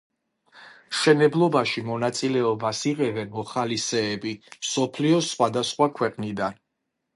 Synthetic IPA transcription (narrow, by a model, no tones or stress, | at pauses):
mʃɛnɛblˠɔbaʃimɔnat̪sʼilɛɔbasiʁɛvɛnmɔχalisɛːbimsɔpʰliɔsχwad̪asχwakʰwɛqʼnid̪an